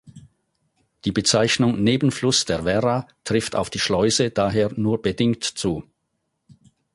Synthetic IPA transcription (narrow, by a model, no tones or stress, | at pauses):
d̥iːbət͡saɪçnʊŋneːbən̩flʊsd̥eːɐvɛʁatʁ̥ɪftʰa̰ʊfd̥iːʃlɔʏzəd̥aːɦeːɐnuːɐbədɪŋtt͡suː